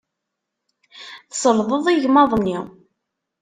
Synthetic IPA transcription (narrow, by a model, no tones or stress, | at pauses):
θsˤəlðəðˤiʝmɑðˤnːi